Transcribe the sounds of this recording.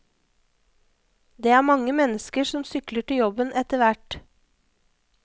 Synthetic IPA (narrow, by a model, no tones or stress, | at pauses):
d̪eːæːɾmɑŋəmɛnəskəsɔmsʏkləʈɪjɔbənʔɛt̪əʋæʈ